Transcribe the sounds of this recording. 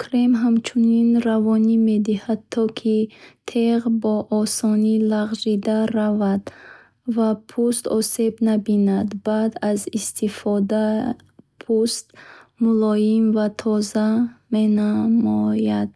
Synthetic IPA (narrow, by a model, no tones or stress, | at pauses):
kʰɾemɦamt͡ʃʰuninravɔnime̞d̪ihad̪̚t̪ʰːɔkʰit̪ʰeʁbɔʔɔsɔnilaʁʒid̪aɾavad̪ | vapʰust̪ɔse̞bnabinad̪bad̪azist̪ʰifɔd̪a | pʰust̪mulɔjimvat̪ʰɔzamenamɔjad̪̥̚